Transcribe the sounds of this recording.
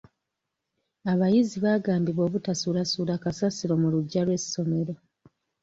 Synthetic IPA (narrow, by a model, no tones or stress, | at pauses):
aβajiziβaɡaːmbiβo̞ːβutasuːlasuːlakasasiɾo̞muluɟːalwe̞so̞me̞ɾo